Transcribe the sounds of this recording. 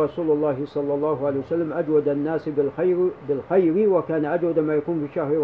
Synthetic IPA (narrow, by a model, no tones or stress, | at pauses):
ɾˤɑsuːlʊlˤːɑːhɪsˤɑlːɑlˤːɑːɦʊʕalejwasalːamʔad͡ʒwad̪anːaːs | bɪlxajɾɪwakaːnaʔad͡ʒwad̪maːjakuːnfiːʃːahɾ